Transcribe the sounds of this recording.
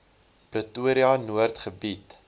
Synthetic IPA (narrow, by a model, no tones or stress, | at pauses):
prətuəɾiɐnuərtχəbit